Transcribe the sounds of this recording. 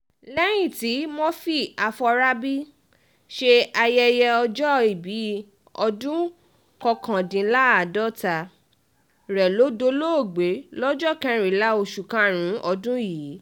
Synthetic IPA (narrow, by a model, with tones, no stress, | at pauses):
lɛ˦j̃ĩ˨ti˨˦mɔ̃˦fi˦a˧fɔ˧ɾa˦bi˦ | ʃe˧a˧jɛ˧jɛ˧ɔ˧d͡ʒɔ˦i˨bi˨˦ | ɔ˧dũ˦ | kɔ˧kã˨dĩ˨˦la˦a˨dɔ˦˨ta˧ | ɾɛ˨lo˨˦do˧˦lo˦o˦˨ɡ͡be˨˦lɔ˦d͡ʒɔ˦˨kɛ̃˨˧ɾ̃ĩ˨˦la˦o˧ʃu˨kã˦ɾ̃ũ˨˦ɔ˧dũ˦ji˨˦